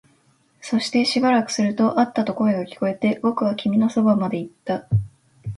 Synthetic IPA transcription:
so̞ɕi̥t̪e̞ɕibaɾakɯ̟̥sɨɾɯ̟t̪o̞ʔat̪ːat̪o̞ko̞okʲi̥ko̞e̞t̪e̞bo̞kɯ̟βakʲimʲino̞so̞bamad̪e̞it̪ːa

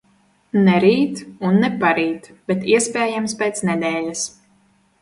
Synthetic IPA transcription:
nɛɾiːt̪unːɛpaɾiːt̪b̥ʲɛt̪iɛspʲɛːjamspʲɛːt̪snɛd̪ɛːlʲas

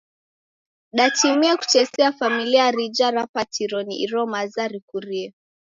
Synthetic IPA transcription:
ɗatimiɛku̥t͡ʃɛsɛafamiliaɾid͡ʒaɾapatʰiɾɔniiɾɔmazaɾikuɾiɛ

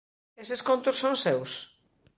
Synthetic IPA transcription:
eseskont̪ʊssõŋsews

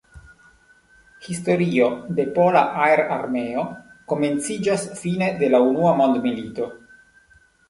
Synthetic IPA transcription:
histo̞ɾio̞de̞po̞laʔaeɾa̰ɾmeo̞ko̞me̞nt͡sid͡ʒasfine̞de̞launuamo̞nd̪milito̞

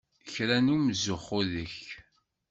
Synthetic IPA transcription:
çɾænumzʊχoðəç

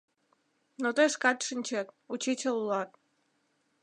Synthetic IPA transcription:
not̪ojʃkɑt̪ʃɨnʲt͡ɕet̪̚ut͡ɕit͡ɕʲəlulɑt̪̚

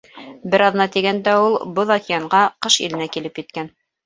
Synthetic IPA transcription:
bɘɾɑðnɑt̪iɡænd̪æulˠboðɑkijɑɴɢɑqɤʃḭlɘ̆nækilɘpjɘ̆t̪̚kæn

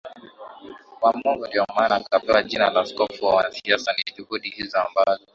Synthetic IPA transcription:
wamɔŋɡɔdiɔmanakapɛwad͡ʒinalaskɔfuwawanasiasanitubudihizɔambazɔ

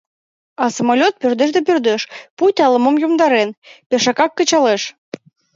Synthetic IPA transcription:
ɑsəmolʲot̪̚pørd̪eʒd̪epørd̪eʃpujt̪ʲɑlə̆momjomd̪ɑɾenpeʃɑkɑkːə̆t͡ɕɑleʃ

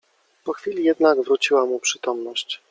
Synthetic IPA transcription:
pɔxfʲilʲijɛd̪naɡvɾut͡ɕiwamupʂɘt̪ɔmnɔɕt͡ɕ

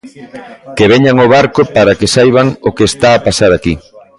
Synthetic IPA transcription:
keβeɲaŋoβaɾkopaɾakesajβ̞aŋokest̪aːpasaɾaki

